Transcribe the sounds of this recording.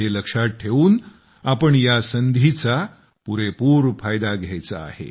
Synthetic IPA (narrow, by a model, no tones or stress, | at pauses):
eləkʂat̪̚ʈʰeʋuːn | apəɳjasənd̪ʱit͡sa | puɾepuːɾfajd̪aɡʱjajt͡sa̰ːhḛ